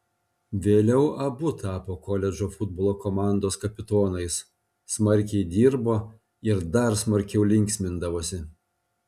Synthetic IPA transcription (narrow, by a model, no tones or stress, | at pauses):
ʋʲeːlʲɛʊʔɐbʊt̪ɑːpoːkɔlʲɛd͡ʒoːfʊd̪̚boːlˠoːkɔmɑˑnd̪oːskɐpʲɪt̪oːnɐɪs | smɐɾʲˑkʲɛɪd̪ʲiːɾboː | ɪɾd̪ɐɾsmɐɾʲkʲɛʊlʲɪŋʲksʲmʲɪnd̪ɐʋoːsʲɪ